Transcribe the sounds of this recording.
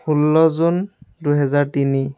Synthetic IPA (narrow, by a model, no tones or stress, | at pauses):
hulːɔzunduɦɛzaɹtini